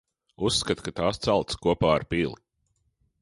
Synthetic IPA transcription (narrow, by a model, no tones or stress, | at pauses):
usːkat̪kat̪aːst̪salˠt̪skuɔpaːaɾpiːlˠi